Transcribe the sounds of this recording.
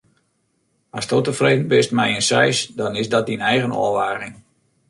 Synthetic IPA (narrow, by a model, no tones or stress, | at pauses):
ɔstotəfreːdən̩bɪstmɛjənsɛjsdɔnɪsdɔt̚dinɛjɣənɔ̰əʋaːɣɪŋ